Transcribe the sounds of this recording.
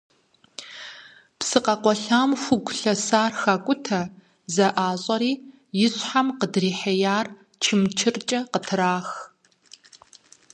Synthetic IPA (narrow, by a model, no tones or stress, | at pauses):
psɨqɐqʷɔɬaːmxʷʊɡʷʊɬɐsaːrxɐkʷʼʊtʰɐ | zɐʔaːɕʼɐɾiː | jɪɕʼħamqədriːħɐjaːr | t͡ʃʰɪmt͡ʃʰɨrt͡ʃʼɐqətʰɨɾaːx